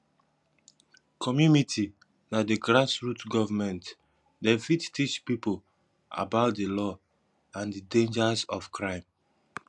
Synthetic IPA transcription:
kʰɔmjunitʰi | nadeɡɹasɹutɡɔvamɛ̃nt | dɛ̃nfidtit͡ʃpipol | a̰baʊtdelɔ | ãndidẽnd͡ʒasɔfkɹãɪ̃m

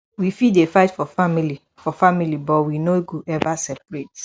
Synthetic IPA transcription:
wifidefaɪtfɔfamili | fɔfamilibɔwinoɡuʔɛvasɛpɹet

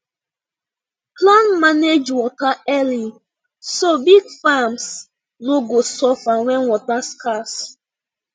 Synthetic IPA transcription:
plãnmaned͡ʒwɔtaɛli | sobiɡfams | noɡosɔfawɛ̃nwɔtaskas

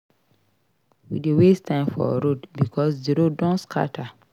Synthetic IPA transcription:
wḭdewestʰãɪ̃mfɔ̰ɹodbikʰɔsdiɾodɔ̃nskʰa̰tʰa

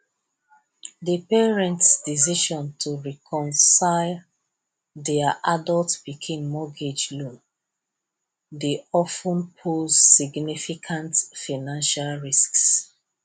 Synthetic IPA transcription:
dəpɛɹɛ̃ntsdisiʃɔ̃ntʰuɹɛkʰɔ̃nsaɪl | dɛaʔadɔltbikʰĩnmɔɡed͡ʒlũn | deɔfũnpʰozsiɡnifikʰãntfanãnʃalɹisks

